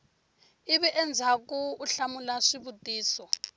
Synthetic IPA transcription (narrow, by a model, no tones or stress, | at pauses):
iβɛʔɛnd͡zʱakuːɬamulaʂiβutʼiːsɔ